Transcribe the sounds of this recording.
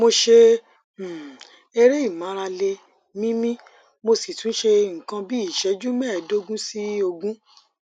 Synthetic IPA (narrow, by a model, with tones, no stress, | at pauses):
mo˧ʃe˧˨ | e˧ɾe˦i˦˨mã˨˦ɾa˧le˧ | mĩ˦mĩ˦ | mo˧si˨tũ˨˦ʃe˧ŋ̩˨kã˧bi˦i˦˨ʃɛ˨˦d͡ʒu˦mɛ˦˨do˦ɡũ˦si˦o˧ɡũ˦